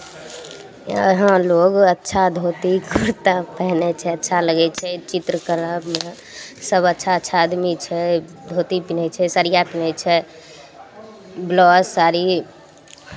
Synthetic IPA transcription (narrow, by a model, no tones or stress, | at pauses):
əɦãloɡətːʃʰad̪ʱot̪ikʰuɾt̪apɛɦnɛt͡ʃʰɛətːʃʰaləɡɛt͡ʃʰɛt͡ʃit̪ɾəkəɾə | səbətːʃʰaətːʃʰaːd̪mit͡ʃʰɛ | d̪ʱot̪ipinɛt͡ʃʰɛsəɾijapinɛt͡ʃʰɛ | blɔssaɾi